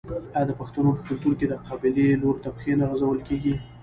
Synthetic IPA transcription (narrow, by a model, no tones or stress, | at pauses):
ad̪əpaxt̪anopəkʊlt̪uɾked̪əqɑbɪleloɾt̪apxenaɣazawəlkeɡi